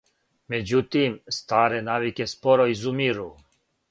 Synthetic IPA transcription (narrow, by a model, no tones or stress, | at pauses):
med͡ʒut̪imst̪aːɾenaːʋikespoɾɔizumiɾu